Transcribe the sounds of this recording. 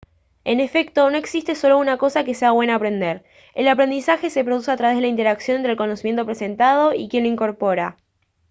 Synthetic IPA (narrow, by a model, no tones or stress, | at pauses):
e̞ne̞fe̞k̚t̪o̞no̞e̞ksist̪eso̞lo̞unako̞sakeseaβwe̞naːpɾe̞nd̪eɾ | elapɾe̞nd̪isaxe̞se̞pɾo̞ðus̬eat̪ɾaβeðelaint̪e̞ɾaksjo̞nent̪ɾelko̞nosimjent̪o̞pɾe̞se̞nt̪að̞o̞ikjenloiŋko̞ɾpo̞ɾa